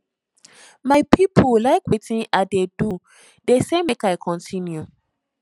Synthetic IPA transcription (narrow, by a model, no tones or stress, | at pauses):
maɪpʰipʰulaɪkwetĩnadedu | desemekaɪkʰɔ̃ntʰĩnju